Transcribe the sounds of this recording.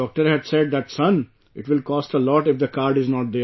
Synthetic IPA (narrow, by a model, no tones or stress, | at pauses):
ɔːk̚ʈəɾɦæɖseɖ̚d̪æʈsʌ̃n | ɪʈʋɪlkɔːsʈəlɔːʈɪfd̪əkaːɾɖɪznɔːʈ̚d̪eː